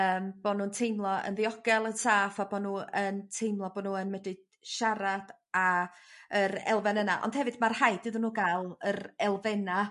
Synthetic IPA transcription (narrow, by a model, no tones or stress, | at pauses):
əːmb̥ɔnuːəntʰejmlˠɔə̰nðiɔɡɛlˠənsʰaːfabɔnuːəntʰejmlˠɔbɔnuːənmədɨ | ʃaɾad̥ | a | əɾɛ̰lˠvɛnənaʔɔ̰nd̥hɛvɨdmarhajdɨðənuːɡaɨlˠəɾɛlˠvɛna